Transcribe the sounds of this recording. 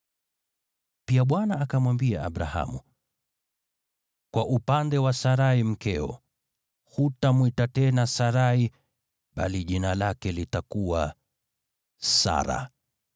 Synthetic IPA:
piaɓwanaːkamwambiaa̰ɓɾaha̰mu | kwaʔupandɛwasaɾaim̩kɛɔ̰ | hutamwitatɛnasaɾai | ɓa̰liʄinalakɛlitakuwa | sa̰ɾa̰

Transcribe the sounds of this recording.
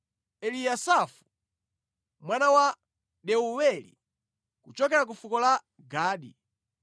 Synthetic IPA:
ɛlijasafu̥ | mwanawa | ɗɛuwɛlḭ | kut͡ʃɔkɛɾak̬ufukɔla | ɡaːɗḭ

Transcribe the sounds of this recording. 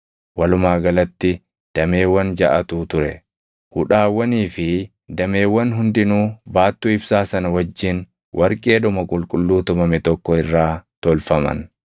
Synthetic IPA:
wɐlʊmaːɡɐlɐt̪ːɪ | d̪̥ɐme̞ːwːɐnd͡ʒɐʔɐt̪uːt̪ʊɾɛ | hʊᶑaːwːɐniːfɪ | d̪ɐme̞ːwːɐnɦʊnd̪ɪnuːbaːt̪ːuːɪbsaːsɐnɐwɐd͡ʒːɪn | wʔɐɾkʼe̞ːd̪ɔmɐkʼʊlkʼʊlːuːt̪ʊmɐmɛt̪ɔkːɔɪrːaːt̪ɔlfɐmɐ̰n

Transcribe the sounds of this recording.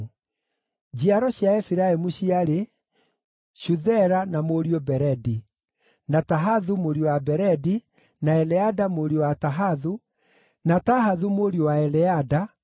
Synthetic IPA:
d͡ʑiaɾɔɕjaɛfiɾaemuɕiaɾe | ɕuðɛɾanamoɾiobɛɾɛdi | nataɦaðumoɾiowabɛɾɛdi | naɛlɛadamoɾiowataɦaðu | nataɦaðumoɾiowaɛlɛada

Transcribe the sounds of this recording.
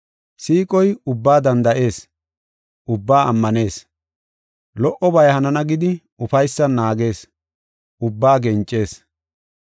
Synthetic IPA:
siːkʼɔjʊbːaːd̪ɐnd̪ɐʔe̞ːs | ʔʊbːaːɐmːɐne̞ːs | lɔʔɔbɐjhɐnɐnɐɡɪd̪ɪ | ʊfɐjsːɐnːaːɡe̞ːs | ʊbːaːɡɛnt͡ʃʼːe̞ːs

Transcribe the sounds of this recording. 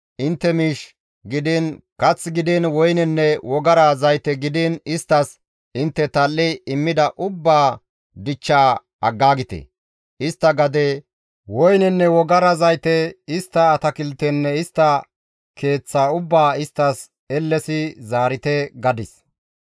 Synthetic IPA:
ʔɪnt̪ːɛmiːʃ | ɡɪd̪ɪnkɐt͡sːɡɪd̪ɪnwɔjnɛnːɛwɔɡɐɾɐzɐjt̪ɛɡɪd̪ɪnɪst̪ːɐs | ɪnt̪ːɛt̪ɐlːɛɪmːɪd̪ɐʔʊbːaː | d̪ɪt͡ʃːaː | ɐɡːaːɡɪt̪ɛ̰ | ɪst̪ːɐɡɐd̪ɛ | wɔjnɛnːɛwɔɡɐɾɐzɐjt̪ɛɪst̪ːɐːt̪ɐkɪlt̪ɛnːɛɪst̪ːɐ | kʰe̞ːt͡sːaːʊbːaːɪst̪ːɐs | ɛlːɛsɪzaːɾɪt̪ɛɡɐd̪ɪs

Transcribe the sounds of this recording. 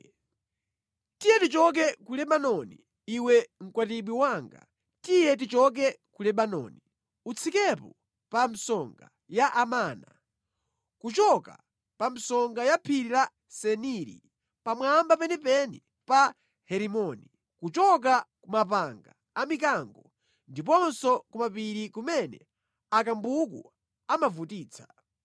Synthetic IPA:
tijɛtit͡ʃɔk̬ɛkulɛɓanɔni | iwɛŋ̩kwatiɓwiwaŋɡa̰ | tijɛtit͡ʃɔk̬ɛkulɛɓanɔ̰ni | ut͡sʰikɛpɔ | pam̩sɔŋɡa̰ | jaʔamaːna̰ | kut͡ʃɔka̰ | pam̩sɔŋɡajapʰiɾila | sɛniɾḭ | pamwambapɛnɛpɛni | pa | hɛɾimɔni | kut͡ʃɔk̬akumap̬aŋɡa̰ːmik̬aŋɡɔ | ndip̬ɔnsɔkumapiɾikumɛnɛ̰ | akambukṵ | amavutiːt͡sʰḁ

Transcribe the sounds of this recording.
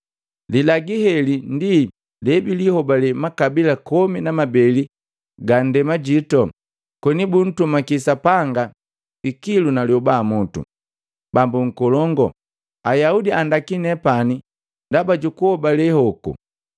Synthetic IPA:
lilaɡiɦɛlindi | lɛbilihɔbalɛmakabilakɔminamabɛli | ɡan̩dɛmaɟitɔ | kwɛnibun̩tumakisapaŋɡa | ikilunaljɔbamɔtṵ | bambuŋ̩kɔlɔŋɡɔ | ajaudiandakinɛpani | ndabaɟukuhɔbalɛhɔkṵ

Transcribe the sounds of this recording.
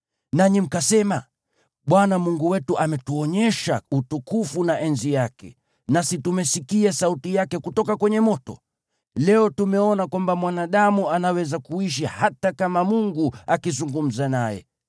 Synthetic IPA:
naɲim̩kasɛma | ɓwanamuŋɡuwɛtuʔamɛtuɔɲɛʃautukufunaʔɛnzijakɛ̰ | nasitumɛsikiasautijakɛkutɔkakwɛɲɛmɔtɔ̰ | lɛɔtumɛɔnakwambamwanaɗamuanawɛzakuiʃ̬ihatakamamuŋɡuakizuŋɡum̩zanajɛ̰

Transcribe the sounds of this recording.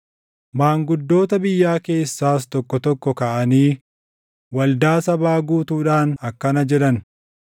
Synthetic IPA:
maːŋɡʊd̪ːo̞ːt̪ɐbɪjːaːke̞ːsːaːst̪ɔkːɔt̪ɔkːɔkɐʔɐniː | wɐld̪aːsɐbaːɡuːt̪uːᶑaːnɐkːɐnɐd͡ʒɛᶑɐn

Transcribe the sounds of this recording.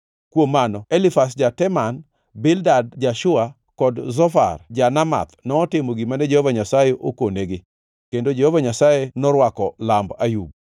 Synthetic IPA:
kwomːanɔelɪfas̬d͡ʒatɛman | bɪldadd͡ʒaʃʊa | kɔdzɔfa̰rd͡ʒanama̰t̪nɔːtɪmoɡimanɛd͡ʒɛhɔvaɲasajeʔokoneɡɪ | kendod͡ʒehɔvaɲasajenɔɾwakɔlambajuɡ

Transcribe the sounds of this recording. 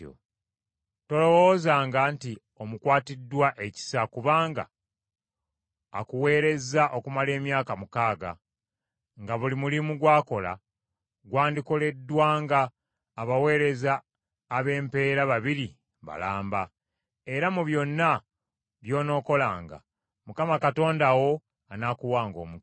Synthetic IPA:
o̰ | to̞lo̞wo̞ːzaːŋɡanti | o̞mukwaːtidːwaʔe̞ci̥sakuβaːŋɡa̰ | a̰kuwe̞ːɾe̞zaʔo̞kumale̞ːmjaːkamukaːɡa̰ | ŋɡaβulimulimuɡwaːko̞la̰ | ɡwaːndiko̞le̞dːwaːŋɡaː | βawe̞ːɾe̞zaː | βe̞ːmpe̞ːɾaβaβiɾi | βa̰laːmba | e̞ɾamuβjo̞nːa | βjo̞ːno̞ːko̞laːŋɡa̰ | mukamakato̞ːndawo̞ | anakuwaːŋɡo̞̰ːmu

